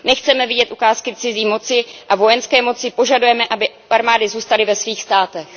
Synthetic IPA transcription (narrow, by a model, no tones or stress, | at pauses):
nɛxt͡sɛmɛvɪɟɛt̪ʔukaːskɪt͡sɪziːmo̞t͡sɪʔavo̞jɛnskɛːmo̞t͡sɪpo̞ʒadujɛmɛʔabɪ | ʔaɾmaːdɪzuːst̪alɪvɛsviːxst̪aːt̪ɛx